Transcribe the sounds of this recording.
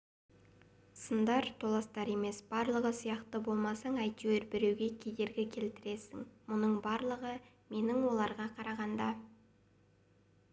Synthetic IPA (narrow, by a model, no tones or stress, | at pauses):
sənd̪ɑɾt̪ʰolˠɑst̪ɑɾe̞me̞sb̥ɑɾlˠəʁəsijɑqt̪əbo̞lˠmɑsɑɴɑjt̪weɾbɪɾewɡʲe̞kʲʰe̞jd̪e̞ɾɡʲɪkʲʰe̞lt̪ɪɾe̞sɪ̰ŋmʊnəɴbɑɾlˠəʁə | me̞nɪŋwo̞lˠɑɾʁɑqʰɑɾɑʁɑnd̪ɑ